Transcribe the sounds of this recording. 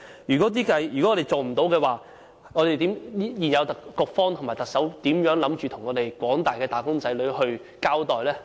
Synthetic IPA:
jyː˨˩kɔː˨˥t̪iː˥kɐ˧jjy˨kɔ˨˦˥ɔː˨˧e˨˩jt͡so˨wm̩˨˩t̪o˨˥wkɛː˧waː˨˧ | ŋɔː˨˧ɾe˨jt̪iː˨˥m˥jiː˨˩njɐ˨˧wt̪ɐ˨kkʊ˧k̚fɔː˥ŋt̪ʰʊ˨˩ŋmaː˨˩t̪ɐ˨ksɐ˨˥wt̪iː˨˥mjœː˨˥ŋlɐ˨˧˥mt͡ʃyː˨t̪ʰʊ˨˩ŋɔː˨˧t̪e˨˩jkʷɔː˨˥ŋt̪aː˨jkɛː˧t̪aː˨kʊ˥ŋt͡sɐ˨˥jlɵ˨˧ɥɦɵ˧ɥ | kaː˥wt̪ɔː˨jlɛː˥

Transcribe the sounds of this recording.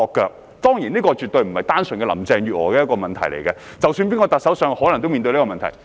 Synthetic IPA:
ɔː˨˧kːœː˧k̚ | t̪ɔː˥ŋjiː˨˩niː˥kɔː˧t͡ʃy˨t̪ɵ˧ɥm̩˨˩hɐ˨jt̪aː˥nsɵ˨nkɛ˧lɐ̰˨˩mt͡sɛː˧ŋjyː˨˩ɔː˨˩kɛː˧jɐ˥tkɔː˧mɐ˨nt̪ʰɐ˨˩jlḛ˨˩jkɛ˧t͡sɐ˨wsyː˧np̬iː˥nŋkɔː˧t̪ɐ˨t̚sɐ˨˥wsœː˧ŋhɔ˨˥lɐ˨˩ŋt̪o˥wmi˨˧n˧li˥kɔː˧mɐ˨ntʰɐ̰˨˩j

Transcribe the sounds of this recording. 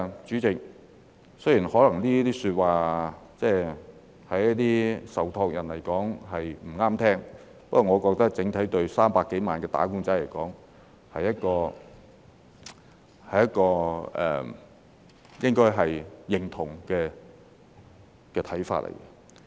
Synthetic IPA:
t͡ʃyː˨˥t͡sɪ˨k̚ | sɵ˥ɥjiː˨˩nhɔː˨˥lɐ˨˩ŋliː˥t̪iː˥syː˧t̚waː˨t͡sɛː˥ | hɐ˨˥ji˥t̪iː˥sɐ˨wt̪ʰɔː˧k̚jɐ˨˩nlɐ˨˩jkɔː˨˥ŋɦɐ˨jm̩˨˩ŋaː˥mt̪ʰɛː˥ŋ | pɐ˥kːɔ˨˩ŋɔː˨˧kɔː˧k̚t̪ɐ˥k̚t͡sɪ˨˥ŋt̪ʰɐ˨˥jt̪ɵ˧ɥsaː˥mpaː˧kːe˨˥jmaː˨nkɛː˧t̪a̰ː˨˥ku˥nt͡sɐ˨˥jlɐ˨˩jkɔː˨˥ŋ | hɐ˨jːɐ˥t̚kɔː˧ | hɐ˨jɐ˥t̚kɔː˧ʔɛ̰ː˨˩ | jɪ˥ŋkɔː˥jɦɐ˨jjɪ˨ŋt̪ʰʊ˨˩ŋkɛː˧ | kɛː˧t̪ʰɐ˨˥jfa̰ː˧t̚lʔɐ̰˨˩jkɛ˧

